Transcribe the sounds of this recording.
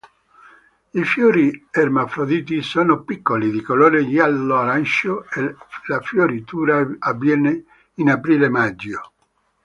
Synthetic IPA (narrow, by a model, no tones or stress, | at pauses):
ifjoːɾiermafɾod̪iːt̪̬isoːnopikːolid̪ikoloːɾeʎalːoaɾanʃoelafjoɾit̪uːɾaːvːjɛːne | inapɾiːlemad͡ʒːo